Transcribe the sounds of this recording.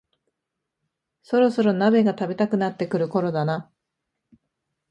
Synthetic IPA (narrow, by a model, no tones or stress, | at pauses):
so̞ɾo̞so̞ɾo̞nabe̞ɡat̪abe̞t̪akɯ̟nat̪ːe̞kɯ̟ɾɯ̟ko̞ɾo̞d̪ana